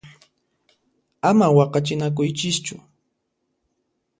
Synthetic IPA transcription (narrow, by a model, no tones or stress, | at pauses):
amawɑqɑt͡ʃɪnak̬ʊjt͡ʃɪst͡ʃʊ